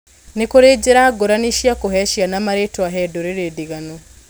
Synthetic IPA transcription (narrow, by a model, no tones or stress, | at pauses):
nekoɾeɟeɾaɡoɾaniʃjakoɦɛʃjanamaɾetwaɦɛdoɾeɾediɣano